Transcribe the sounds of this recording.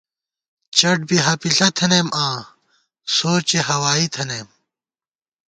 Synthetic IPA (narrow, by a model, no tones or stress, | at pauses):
t͡ɕɐʈ̚biɦɐpiɬɐt̪ʰɐnemãː | soːt͡ɕeɦɐwaːit̪ʰɐneːm